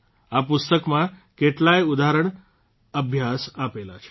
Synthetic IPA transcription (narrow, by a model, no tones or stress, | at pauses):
apʊst̪əkmãkeʈlajud̪aɾəɳ̃ | əbʱjasapela̰t͡ʃʰe̥